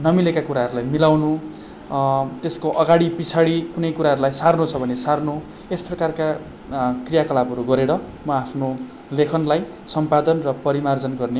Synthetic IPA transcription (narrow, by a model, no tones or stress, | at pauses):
nʌmilekakuɾaɦʌɾulajmilawnu | t̪eskoʔʌɡaɽipit͡sʰaɽikunʌjkuɾaɦʌɾulajsarnot͡sʰʌbʱʌnesarno | esprʌkarka | krijakʌlabʱʌɾuɡʌɾeɾʌmʌapʰno | lekʰʌnlaj | sʌmpad̪ʌnrʌpʌɾimard͡zʌnɡʌrne